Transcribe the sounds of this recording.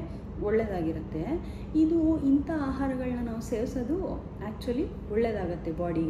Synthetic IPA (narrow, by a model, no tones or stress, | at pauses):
ɔɭːed̪aːɡiɾɐt̪ːe̞ | id̪uint̪ɐaːɦaːɾɐɡɐɭɐnːɐnaːʋuse̞ːɾsɐd̪u | æːk̚t͡ʃuɐli | ɔɭːed̪aːɡɐt̪ːe̞baːɽi